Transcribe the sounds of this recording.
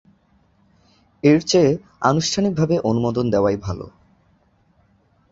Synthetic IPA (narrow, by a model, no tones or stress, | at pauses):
eɾt͡ɕe | a̰nuʃʈʰanik̚bʱabeʔonumod̪ond̪eoajbʱalo̰